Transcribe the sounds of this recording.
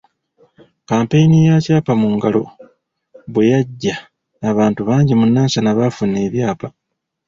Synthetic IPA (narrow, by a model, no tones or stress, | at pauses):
kaːmpe̞jinijacaːpamuːŋɡalo̞̰ | βwe̞jaɟːaː | βaːntuβaːɲɟimunːaːnsanaβafune̞ːβjaːpa